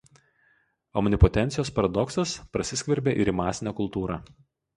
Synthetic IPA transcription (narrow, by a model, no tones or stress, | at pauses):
ɔmnʲɪpɔt̪ʲɛnʲt̪sʲɪjoːspɐɾɐd̪ɔksɐspɾɐsʲɪsʲkʲʋʲɛɾʲbʲeːʔɪɾiːmɑːsʲɪnʲæːkʊlˠt̪uːɾɑː